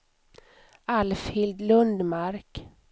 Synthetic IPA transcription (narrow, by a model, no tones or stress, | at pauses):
alfhɪld̪lɵnd̪maɾk